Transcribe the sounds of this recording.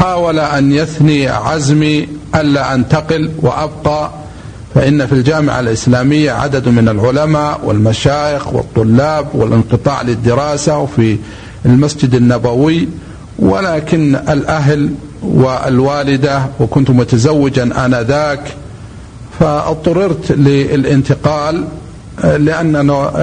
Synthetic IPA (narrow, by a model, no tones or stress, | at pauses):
ħaːwalaʔanjaθniʕazmiʔalːaʔant̪aqɪlwɪ̰ʔabqɑ | faʔɪnːafild͡ʒaːmɪ̰ʕa̰lʔɪslaːmɪjːaʕa̰d̪ad̪mɪnalʕʊlamaːʔwɪ̰lmaʃaːʔɪxwɨ̰t̪ˤːʊlːaːbwɪ̰lʔɪnqɨt̪ˤɑ̰ːʕlɪd̪ːɪɾɑːsawfi | lmasd͡ʒɪd̪anːabawɪ | wɪ̰laːkɪnɪlʔaɦl | wɪ̰lwaːlɪd̪awɪkʊnt̪mʊt̪azawːɪd͡ʒanʔanaðaːk | fat̪ˤːɑɾɪɾt̪lɪlʔɪnt̪ɪqɑːlː | ɪʔanːana